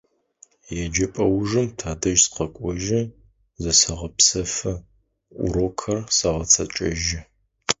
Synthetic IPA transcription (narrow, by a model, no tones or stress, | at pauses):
jɛd͡ʒɐpʼɐwʒɨmtʰaːdɐʒsqɐkʷʼɔʒɪ | zɐsɐʁɐpsɐfɐ | ʔʊ̰ɾokʰɐrsɐʁɐt͡sʰɐt͡ʃʼɐʒɪ